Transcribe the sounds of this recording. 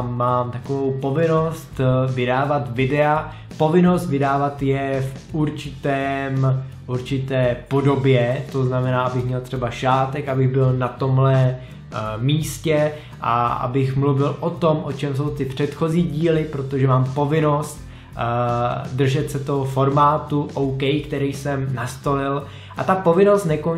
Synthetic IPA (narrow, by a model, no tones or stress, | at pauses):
aːmt̪akovo̞wpo̞vɪno̞st̪vɪdaːvat̪vɪdɛa | po̞vɪno̞st̪vɪdaːvat̪jɛf | uɾt͡ʃɪt̪ɛːm | ʔuɾt͡ʃɪt̪ɛːpo̞do̞bjɛt̪o̞znamɛnaːabɪxmɲɛlt̪r̝̥ɛbaʃaːt̪ɛkʔabɪɣbɪlnat̪o̞mɦlɛ | miːscɛ | ʔa̰a̰bɪxmluvɪlʔo̞t̪o̞mʔo̞t͡ʃɛms̬o̞wt̪ɪpr̝̥ɛt̪xo̞ziːɟiːlɪpɾo̞t̪o̞ʒɛmaːmpo̞vɪno̞st̪ | dr̩ʒɛt̪sɛt̪o̞ɦofo̞ɾmaːt̪uʔowkɛjkt̪ɛɾɛjsɛmnast̪o̞lɪl | ʔat̪apo̞vɪno̞st̪nɛko